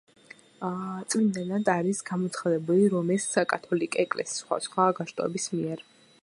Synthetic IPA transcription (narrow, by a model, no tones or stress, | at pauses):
t̪sʼmind̪ɛnad̪aɾisɡamɔt̪sʰχad̪ɛbuliɾɔmɛsakʼat̪ʰɔlikʼɔɛkʼlɛ̰si̥sːχwa̰sχwaɡaʃt̪ʼɔ̰ɛ̰bismiɛɾ